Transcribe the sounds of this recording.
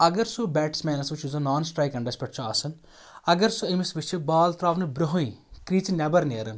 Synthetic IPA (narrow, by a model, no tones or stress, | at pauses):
ɐɡəɾsubɛːʈsmɛːnɐsʋɪt͡ʃuzɐnaːnsʈɾaːjkɐɳɖɐspɐʈt͡ʃaːsɐn | ɐɡəɾsoɐmɪsʋɪt͡ʃbaːlt̪ɾaːʋnbɾoɦõĩkɾiːt͡ʃnɛbəɾneːɾən